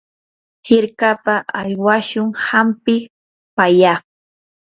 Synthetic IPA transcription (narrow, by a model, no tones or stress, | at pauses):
hɪɾkapaʔaʎwaʃʊŋhampɪ | paja